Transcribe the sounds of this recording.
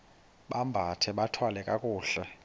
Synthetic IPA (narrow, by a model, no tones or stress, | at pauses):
ɓambʱatʰɛɓatʰwalɛkʼakʼuːɬɛ